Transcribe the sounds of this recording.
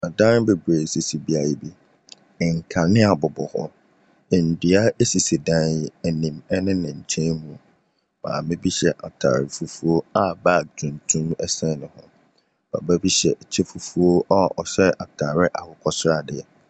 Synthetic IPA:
a˨dã˦n˦be˨ɡɾe˨si˨si˨bi˦a˨ji˨bi˦˨ | ŋ̩˨kʰa˨nɪ̃˦a˨bɔ˨bɔ˨hɔ̰˦ | ɛ˨n̩˨di˨a˦e˦si˨si˨dã˦njɛ˨ɛ˨nĩ˨mɛ˦nɪ̃˦nɪ̃˨ɲ̩˨tʰẽ˦nmũ˨ | m̥ã̰ː˨mɪ̃˦bi˦ɕɛ˦ʔa˨tʰa̰˨ɾɪ˨fu˨fu˦o˦a˦baː˦˨dʊ̃˨ntʰũ˦m˦ɛ˦sɛ̃˦nʊ̃˨hʊ̰̃˦ | b̥a̰˨ba˦bi˦ɕɛ˨t͡ɕʰɛ˦fu˨fu˦o˦a˦ʔɔ˨ɕɛ˦ʔa̰˨tʰaː˨ɾɪ˦ʔa˨hʊ˨kʰɔ˦sʊ˦ɾa˨dɪ˦˨ɛ˨

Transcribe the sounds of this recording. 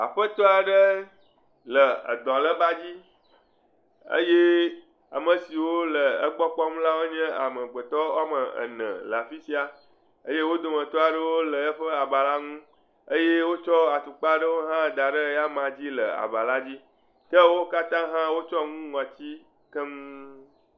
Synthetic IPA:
a̰˨ɸə˦t̪ɔ˦a˨ɖə˦ | lə˨ə̰˨d̪ɔ̃˨lə˦ba˦d͡ʑi˦ | ə̰˦je˦ | a̰˨mə̃˨si˨wo˦lə˨ə˦ɡ͡bɔ˦k͡pɔ˦ŋũ˦la˦wo˦ɲɛ̃˦a̰˨mə̃˨ɡ͡bə˨t̪ɔ˦a˦mə˨ə̰˨nə̰̃˨lə˨a˨fi˦si˦a˨ | ə˦je˦wo˦d̪o˨mə̃˨t̪ɔ˦a˨ɖə˦wo˦lə˨ə˦ɸə˦a˨ba˨la˦ŋũ˦ | ə˦je˦wo˦t͡ʃɔ˦a˨t̪u˨k͡pa˦ɖə˦wo˦ɦã˦˨d̪a˨ɖə˦ja˦mã˨d͡ʑi˦lə˨a̰˨ba˨la˦d͡ʑi˦ | t̪ə˦wo˦ka˦t̪ã˦ɦã˦wo˦t͡ʃɔ˦ŋũ˦ŋɔ̃˨t͡ɕi˦ | kə˦ŋũ˦

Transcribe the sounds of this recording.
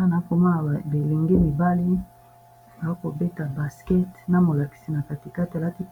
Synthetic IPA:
na˨˦ko˨ma˦na˨be˨le˨ŋɡe˦mi˨ba˦li˦ | ba˨o˦ko˨be˦ta˨ba˨skɛ˦tna˨mo˨la˨ki̥˨si˨na˨ka˨ti˨ka˦tla˦ti˦

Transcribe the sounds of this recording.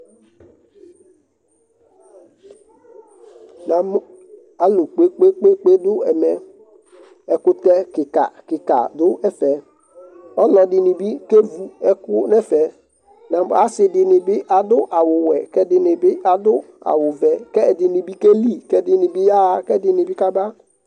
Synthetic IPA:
nã˨m˦ | a˨lʊ˨k͡pe˦k͡pe˦k͡pe˦k͡pe˦dʊ˦ɛ˨mɛ˨ | ɛ˨kʊ˦tɛ˦kɪ˨ka̰˨kɪ˨ka̰˨dʊ˦ɛ˦fɛ˨ | ɔ˦lɔ˨dɪ˨nɪ˨bi˦ke˦vu˦ɛ˦kʊ˦nɛ˦fɛ˨ | nã˨ba˦sɪ˨dɪ˨nɪ˨bɪ˦ʔa˨dʊ˦ʔa˨wʊ˨wɛ˨kɛ˦dɪ˨nɪ˨bɪ˦ʔa˨dʊ˦ | a̰˨wʊ˨vɛ˨kɛ˦˨dɪ˨nɪ˨bi˦ke˦li˦˨kɛ˦dɪ˨nɪ˨bɪ˦ja˦˨kɛ˦dɪ˨nɪ˨bɪ˦ka˦ba˦

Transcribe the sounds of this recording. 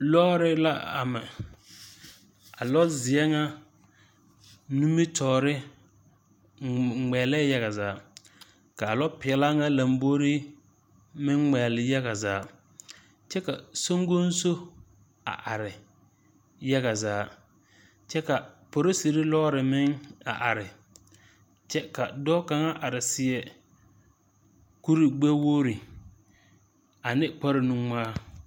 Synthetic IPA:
lɔː˦ɾɪ˦la˦a̰˨mɪ˨ | a˨lɔ˦zɪ˨ɛ˦ŋa˦ | nu˦mi˦tʰɔː˨ɾɪ˦ | ŋ͡mɛ˨lɛː˦ja˦ɣa˨zaː˨˦ | ka˨a˨lɔ˦pɪ˨ɛ˨la˦ŋa˦la˨mbo˦ɾi˦ | mɪ˦ŋŋɛː˨lɪ˨ja˦ɣa˨zaː˨˦˨ | t͡ʃɛ˦ka˨so˦ŋ˦ɡo˦n̩˦so˦ | a̰˨ʔa˨ɾɪ˨ | ja˦ɣa˨zaː˨˦ | t͡ʃɛ˦ka˨po˨ɾo˦si˨ɾi˦lɔ˦ɾɪ˨mɪ˦ŋa̰˨ʔa˨ɾɪ˨ | t͡ʃɛ˦ka˨dɔ˦ka˨ŋa˦ʔa˨ɾɪ˨sɪ˨ɛ˨ | ku˦ɾi˨ɡ͡bɛ˦woː˦ɾi˨ | a˨nɪ˦k͡pa˦ɾɪ˨nu˦ŋ͡maː˦

